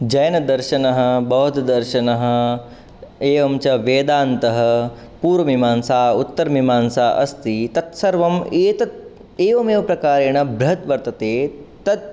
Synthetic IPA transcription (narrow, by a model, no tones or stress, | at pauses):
d͡ʒɐjɐnɐd̪ɐɾʃɐnɐɦɐ̆bɐɦut̪d̪ɐɾʃɐnɐɦɐ̆ | eːʋɐmt͡ʃɐʋeːd̪aːnt̪ɐɦɐ̆ | puːɾʋɐʋimaːnsaːut̪ːɐɾɐmimaːnsaːʔɐ̰st̪it̪ɐt̪sɐɾʋɐmeːt̪ɐt̪ | eːʋɐmeːʋɐpɾɐkaːɾeːɳɐbɾɐɦɐt̪ʋɐɾt̪ɐt̪eːt̪ɐt̪̚